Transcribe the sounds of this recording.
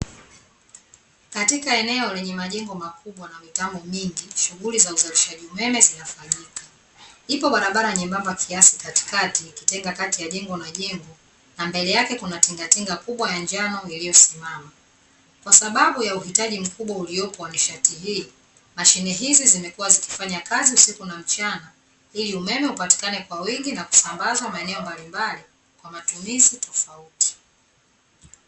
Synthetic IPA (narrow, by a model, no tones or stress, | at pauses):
katikaɛnɛɔlɛɲɛmaʄɛŋɡɔmakuɓwanamitambɔmiŋɡiʃuɣulizauzaliʃaʄiumɛmɛzinafaɲikḁ | ipɔɓaɾaɓaɾaɲɛmbambakʰiasikati̥katiki̥tɛŋɡakatijaʄɛŋɡɔnaʄɛŋɡɔ | nambɛlɛjakɛkunatiŋɡatiŋɡakuɓwajaɲd͡ʒanɔilijɔsimama | kwasaɓaɓujauhitaʄim̩kuɓwaulijɔpɔwaniʃatihiː | maʃinɛɦizizimɛkuwaziki̥faɲakaziusikunam̩t͡ʃana | iliumɛmɛupati̥kanɛkwawiŋɡinaku̥sambazamaɛnɛɔmbalimbali | kwamatumizitɔfauti̥